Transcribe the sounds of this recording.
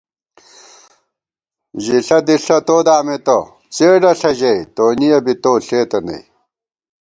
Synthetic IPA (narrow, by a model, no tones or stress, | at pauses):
ʑiɬɐd̪iɬɐt̪oːd̪aːmet̪o | t͡seːɖɐɬɐʑɐit̪oːnijɐbit̪oːɬeːt̪ɐnɐ̰j